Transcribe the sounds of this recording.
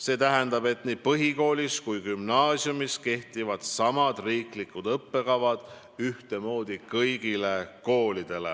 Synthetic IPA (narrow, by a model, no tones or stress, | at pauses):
se̞ːt̪æɦɛnd̪ɑb̥e̞t̪ˑniːpɤɦiko̞ːliskujkymnɑːsjumiske̞ht̪ivɑd̪̥sɑmɑd̪riːklikːˑud̪ɤpːe̞kɑvɑd̪̥ | yht̪e̞mo̞ːd̪̥ikɤjɡ̥ile̞ko̞ːlid̪̥e̞le̞̰